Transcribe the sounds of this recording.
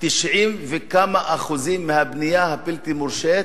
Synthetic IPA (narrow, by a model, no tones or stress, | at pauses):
t̪iʃʕimvekamaʔaχuzimːehabnijahapilt̪imuɾʃet̪